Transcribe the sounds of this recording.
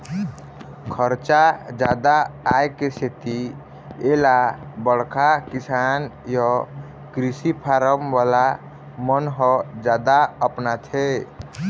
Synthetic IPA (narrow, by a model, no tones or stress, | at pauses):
kʰəɾt͡ʃad͡ʒad̪aːekeset̪i | elabəɽ̤kʰakisanjɔ | kɾisipʰaɾəmʋala | mənɦɔd͡ʒad̪aəpnat̪ʰe